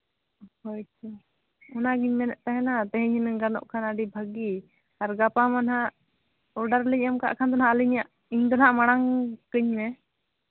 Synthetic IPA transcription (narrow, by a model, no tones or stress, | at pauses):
hɔjt͡ʃʰu | ɔnaɡiɲmɛnɛʔt̪aɦɛnat̪ɛɦiɲinɡanɔ̰ʔkʰanaɖibʱəɡi | aɾɡapamanɦa | ɔɖaɾliɲamka̰ʔkʰand̪ɔnɦaəliɲjaʔ | iɲd̪ɔnhaʔmaɽ̃aŋkəɲmɛ